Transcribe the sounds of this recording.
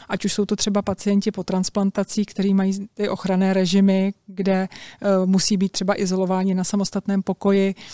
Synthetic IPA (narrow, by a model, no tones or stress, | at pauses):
ʔacuʃso̞wt̪ot̪r̥ɛbapat͡sɪjɛncɪpo̞t̪ɾansplant̪at͡siːkt̪ɛɾiːmajiːt̪ɪʔo̞xɾanɛːɾɛʒɪmɪɡdɛmusiːbiːt̪̚ːr̝̥ɛbaʔɪzo̞lo̞vaːɲɪnasamo̞st̪at̪nɛːmpo̞ko̞jɪ